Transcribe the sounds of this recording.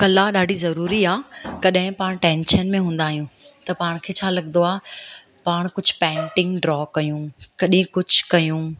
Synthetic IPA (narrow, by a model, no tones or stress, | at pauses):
kɐlaɗaːɖʱizɐɾuːɾiaːkɐɗɦɪ̃paːɽ̃ʈẽːnʃənmẽɦũːn̆d̪aːɦijũt̪ɐpaːɽ̃kʰeːt͡ɕʰaːlɐɠnd̪oaː | paːɽ̃kʊd͡ʑʱʊpɛ̃ːɳʈɪ̃ŋɡɖɾɔːkɐjũːkɐɗɪ̃kʊd͡ʑʱʊkɐjũ